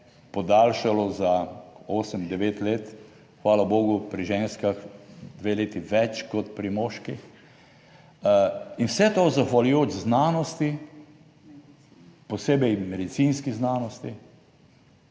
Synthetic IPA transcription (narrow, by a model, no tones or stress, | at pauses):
pɔd̪aːlʃalɔzaoːsəmd̪ɛʋeːt̪leːt̪ | xʋaːlaboːɡʊpɾiʒeːnskaxd̪ʋeleːt̪iʋɛt͡ʃkɔt̪pɾimoːʃkix | inwsɛt̪ozaxʋalujoːt͡ʃznaːnɔst̪i | pɔseːbɛjmɛd̪it̪sinskiznaːnɔst̪i